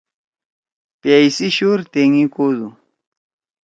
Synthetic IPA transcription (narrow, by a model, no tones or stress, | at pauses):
pjajsiʃuɾt̪eŋikod̪u